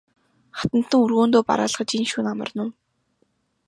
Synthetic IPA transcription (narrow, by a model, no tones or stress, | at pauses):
χḁt̪ə̆n̥t̪ə̆ŋurɣoːnt̪oːpa̰ɾaːɮχə̆t͡ɕinʃuːnamə̰̆rnʊː